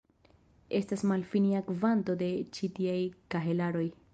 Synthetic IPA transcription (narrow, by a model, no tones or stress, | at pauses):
e̞stasmalfiniakvanto̞d̪e̞t͡ʃitiajkaɦe̞laɾo̞j